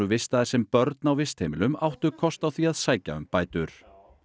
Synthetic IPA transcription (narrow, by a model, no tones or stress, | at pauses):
ʏvɪst̪aðɪɾ̥sɛmpœɾt̪nawvɪst̪hejmɪlʏmawht̪ʏkʰɔst̪awθiaðsaːjca̰ʏ̰mpaːjt̪ʏɾ̥